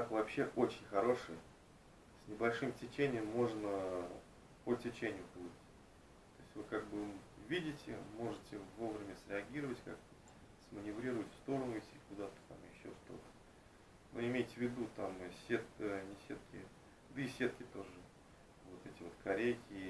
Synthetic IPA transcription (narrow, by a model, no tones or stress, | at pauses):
akvɐpɕːe̞ʔo̞t͡ɕɪnʲxɐɾo̞ʂɨjə | sʲnʲɪbɐlʲʂɨmtʲɪt͡ɕenʲɪjəmːo̞ʐnə | potʲɪt͡ɕenʲɪjʊpɨlˠʲitʲ | t̪o̞ɪsʲtʲvɨkaɡ̚bɨvʲidʲɪtʲɪ̰mo̞ʐɨtʲɪvo̞vɾʲɪmʲəsɾʲɪɐɡʲiɾəvətʲka̰kt̪ə | sʲmənʲɪvɾʲiɾʊvətʲfst̪o̞ɾənʊɪtʲɪkʊd̪at̪ə̥t̪amjɪɕːo̞ʂt̪o̞̰t̪ə̥ | no̰ɪmʲejtʲɪvʲɪd̪ut̪amɨsʲet̪nʲɪsʲḛt̪kʲɪ̰ | d̪əisʲe̞t̪̚kʲɪt̪o̞ʐɨ | vo̞t̪ɛtʲɪvo̞t̪kʰɐɾʲejkʲɪ